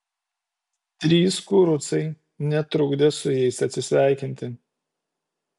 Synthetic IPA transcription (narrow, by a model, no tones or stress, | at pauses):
t̪ʲɾʲiːskʊɾʊt̪sɐɪ | nʲɛt̪ɾʊɡd̪ʲɛsʊjɛɪsɐt̪ʲsʲɪsʲʋʲɛˑɪkʲɪnʲt̪ʲɪ